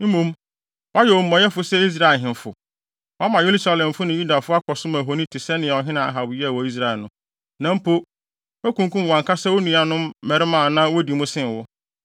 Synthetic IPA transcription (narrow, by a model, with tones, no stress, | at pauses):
m̩˦mũ˦m | wa˦jɛ˨o˨m̩˨mɔ̃˨jɛ˦fʊ˨sɛ˦i˦s̬ɾa˦˨lɦɪ̃˨n˨fʊ˨ | wa˦mã˨jo˦lu˦sa˦lɛ̃˨m˨fʊ˦nã˨ju˦da˨fʊ˦a˦kʰɔ˨sʊ̃˦mã˨ɦo˨nĩ˦tʰɪ˨sɛ˦nɪ̃˨ɛ˨ɔ˨ɦɪ̃˦nã˨a˨ɦa˨wʊ˨jɛ˦a˨wɔ˨i˦s̬ɾa˨ɛ˨nʊ̃˦ | nã˨˦m̩˦pʰo˦ | æ˦kũ˨ŋ˦kũ˦m˨ã˨ŋkʰa˦sɛ˦wo˦nũ˨a˨nʊ̃˦mːɛ˨ɾɪ˦mã˦˨nã˦wo˦di˨mʊ̃˦sɪ̃˦˨n˨wʊ˦